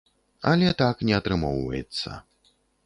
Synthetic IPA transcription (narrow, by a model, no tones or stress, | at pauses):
ɐ̰lʲɛt̪aknʲɛat̪ɾɨmɔwvɐ̰jɛ̰t̪sːɐ̰